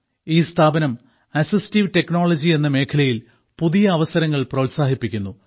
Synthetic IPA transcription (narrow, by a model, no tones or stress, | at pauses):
iːst̪ʰaːbɐnɐm | ɐsisi̥tiʋte̞knoːɭɐd͡ʑie̞nːɐme̞ːkʰɐlɐjil | puðijɐːʋɐsɐɾɐŋːɐɭprɐʋwtʲsaːɦipːikʲːunːu